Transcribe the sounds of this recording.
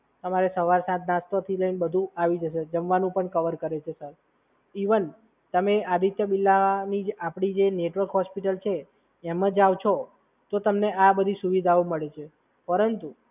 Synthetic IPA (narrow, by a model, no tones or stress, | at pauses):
t̪əmaɾesəʋaɾsãt̪nast̪ot̪ʰiləinbəd̪ʱũaʋid͡ʒəʃed͡ʒəmʋanũpəɳkəʋəɾkəɾet͡ʃʰesəɾ | iʋən | t̪əmead̪ʱit̪jəbilːanid͡ʒapɽ̃id͡ʒeneʈʋəɾkɦɔspiʈəlt͡ʃʰeː | mə̃d͡ʒaʋt͡ʃʰo | t̪ot̪əmneʔabəd̪ʱisuʋid̪ʱaoməɭet͡ʃʰe | pəɾənt̪u